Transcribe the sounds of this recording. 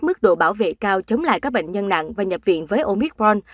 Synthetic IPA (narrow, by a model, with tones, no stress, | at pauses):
mɨ˦˥k̚ɗo̰˧˨ɓaː˧˩wvḛ˧˨kaː˧wt͡ɕə˨˦wŋ͡mla̰ː˧˨jkaː˦˥k̚ɓ̰ŋ̟ɲə˧nna̰˧˨ŋvaː˨˩ɲə˨˩p̚vḭ˧˨ənvəː˨˦jʔo˧mi˦˥k̚ɔ˧n